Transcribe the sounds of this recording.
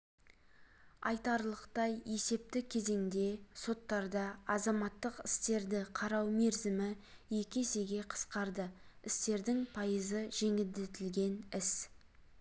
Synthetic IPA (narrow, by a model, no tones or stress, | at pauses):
ɑ̰jt̪ɑɾlˠəqt̪ɑje̞se̞p̚t̪ɪkʲʰe̞ze̞ŋd̪e̞so̞t̪ːɑɾd̪ɑɑzɑmɑt̪ːəqɪst̪e̞ɾd̪ɪqʰɑɾɑwme̞ɾzɪmɪ | je̞kʲese̞ɡʲe̞qʰə̥sqɑɾd̪əɪst̪e̞ɾd̪ɪŋpʰɑjəzəʒ̥e̞ŋɪld̪et̪ɪlɡʲe̞nɪs